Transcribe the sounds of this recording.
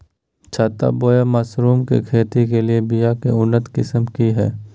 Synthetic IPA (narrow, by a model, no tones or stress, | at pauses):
t͡ʃʰaːt̪a̰boːjamaːsɾuːmkḛkʰeːt̪ikeliebijakeʊnːət̪kɪsəmkiɦɛː